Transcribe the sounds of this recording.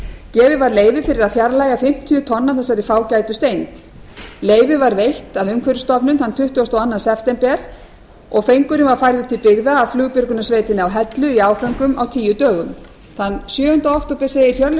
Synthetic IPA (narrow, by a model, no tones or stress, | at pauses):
cɛːvɪvaɾleːjvɪfɪɾɪɾaðfjaɾlajɣafɪm̥t̪ʰiʏt̪ʰɔnːaθɛsːaɾɪfaːwcaːjt̪ʏst̪ejnt̪ | leːjvɪvaɾvejht̪avʏmkʰvɛɾʏst̪ɔpnʏnθant̪ʰʏht̪ʏast̪awanːansɛft̪ɛmpɛɾ̥ | ɔɣfejŋkʏɾɪmvaɾ̥fajɾðʏt̪ʰɪlpɪɣðaːflʏɣpɪɾkʏnasveːjt̪ɪnɪawɦɛt̪lʏiaːwfœŋkʏmawt̪ʰiːjʏt̪œːɣʏm | θanːsjœːhʏnt̪aoht̪ɔpɛsejɪɾ̥çœɾl